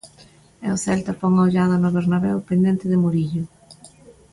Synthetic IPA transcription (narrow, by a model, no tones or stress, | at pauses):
ɛ̰oθɛlt̪ɐpoŋaoʎaðɐnʊβeɾnaβɛwpend̪ent̪ɪðɪmoɾiʎʊ